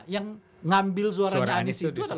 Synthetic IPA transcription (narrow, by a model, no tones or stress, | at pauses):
jaŋ | ŋambɪls̬uaɾaɾaansit̪uada